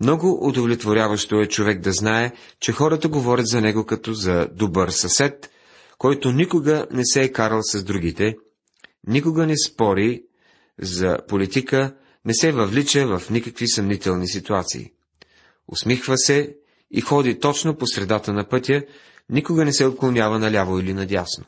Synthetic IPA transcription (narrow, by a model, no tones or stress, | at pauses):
mnɔɡoʔʊd̪ovlʲɛt̪voɾʲavɐʃt̪oɛt͡ʃovɛɡ̚d̪ɐznaɛt͡ʃɛxɔɾət̪əɡovɔɾʲət̪zɐnɛɡokɐt̪ɔzɐd̪obəɾsɐsɛt̪ | kɔjt̪onikoɡənɛsɛːkaɾəlˠsɐzd̪ɾuɡ̟it̪ɛ | nikʊɡənɛspɔɾi | zɐ̰polit̪ikə | nɛsɛvɐvlit͡ʃəvɐfnikəkvisɐmnit̪ɛlˠnisit̪uat̪sḭḭ | o̰smixvəsɛ | ḭxɔd̪it̪ɔt͡ʃnoposɾɛd̪at̪ənɐpɤt̪ʲjə | nikoɡənɛsɛot̪̚klˠonʲavɐnɐlʲavoilinɐd̪ʲjasno̰